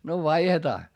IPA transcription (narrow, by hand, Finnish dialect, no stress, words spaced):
no ʋɑihetɑː